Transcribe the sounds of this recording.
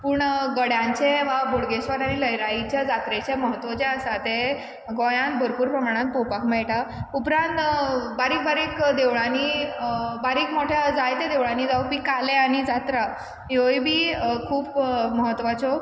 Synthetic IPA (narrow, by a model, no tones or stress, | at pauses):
puːɳɡəɽjãɲt͡ɕẽʋaboɽɡesʋaɾaɽ̃iləjɾaɦit͡ɕjad͡zat̪ɾet͡ɕaməɦət̪ːʋɔt͡ɕɛəsat̪e | ɡõjãnt̪̚bʱəɾpuːɾpɾəmaɽ̃ãnt̪̚popakʰmɛɭʈaupɾãnt̪baɾiːk̚baɾikd̪eʋɭani | baɾiːkmoʈʰjad͡zajt̪ed̪eʋɭaniːd͡zaubiːkaleaɽ̃id͡zat̪ɾa | jojbʱiːkʰuːpməɦət̪ːʋat͡sɔ